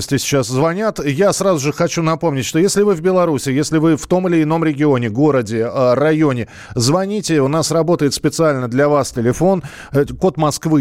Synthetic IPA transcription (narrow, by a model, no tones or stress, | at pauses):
sʲtʲɪsʲɪ̥t͡ɕaszvɐnʲat̪jasɾazʊʐɨxɐt͡ɕunɐpo̞mnʲɪtʲʂt̪o̞jesʲlʲɪvɨvbʲɪlˠɐɾusʲɪjesʲlʲɪvɨft̪o̞mɨlʲɪːno̞mɾʲɪɡʲɪo̞nʲɪɡo̞ɾədʲɪərɐjo̞nʲɪ | zvɐnʲitʲɪʊnasrɐbo̞t̪əjɪt̪spʲɪt̪sɨalʲnəd̪lʲɐvastʲɪlʲɪfo̞n | ko̞t̪mɐskvɨ